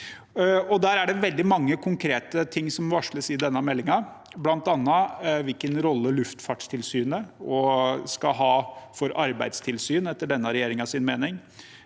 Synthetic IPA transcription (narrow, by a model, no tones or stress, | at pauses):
ɔd̪æːɾæɖɛʋɛld̪ɪmɑŋːəkʰʊŋkʰɾeːt̪ət̪ʰɪŋːsɔmʋɑʂɭəsɪd̪ɛnːɑmɛlːɪŋɑblɑnt̪ɑnːəʋɪlkənɾɔlːəɭʉft̪fɑʈʂt̪ʰɪlsyːnəɔskɑɦɑːfɔɾɑɾbæɪd̪st̪ʰɪlsyːnɛt̪ːəɖɛnːəɾɛjeːɾɪŋɑsɪnmeːnɪŋ